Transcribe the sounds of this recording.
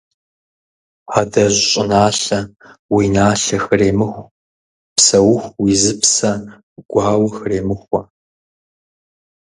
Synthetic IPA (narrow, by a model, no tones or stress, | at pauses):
adɐʑɕʼɪnaːɬɐ | winaːɬɐxɨreːmɨxʷ | psɐwʊxʷwizɨpsɐ | ɡʷɑːwɐxɨreːmɨxʷɔ